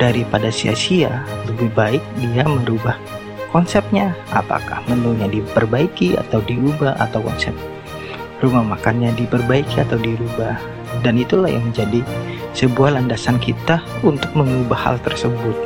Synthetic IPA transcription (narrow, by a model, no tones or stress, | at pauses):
d̥aɾipadasia̰sialəbɪhbaɪk̚diaməɾubah | kɔnsɛp̚ɲaa̰pa̰ka̰hmənuɲadipərbaikia̰t̪awdiubaha̰t̪awkɔ̰nsɛp̚ | rumamakanɲadipərbaikiat̪awdiɾubah | danit̪ulahja̰ŋməɲd͡ʒadisəbuahlandasankit̪aunt̪ʊk̚məŋubaha̰lt̪ərsəbʊt̪̚